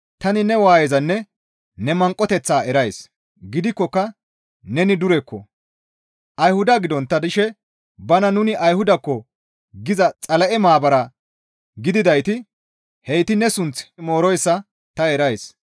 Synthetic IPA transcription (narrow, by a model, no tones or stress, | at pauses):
t̪ɐnɪnɛwaːjɛzɐnːɛ | nɛmɐŋkʼɔt̪ɛt͡sːaːɛɾɐjs | ɡɪd̪ɪkːɔkːɐ | nɛnɪd̪ʊɾɛkːɔ̰ | ʔɐjhʊd̪ɐɡɪd̪ɔnt̪ːɐd̪ɪʃɛ | bɐnɐnʊnɪʔɐjhʊd̪ɐkːɔ | ɡɪzɐt͡sʼɐlɐʔɛmaːbɐɾɐ | ɡɪd̪ɪd̪ɐjt̪ɪ | hɛjt̪ɪnɛsʊnt͡smo̞ːɾɔjsːɐ | t̪ɐɛɾɐjs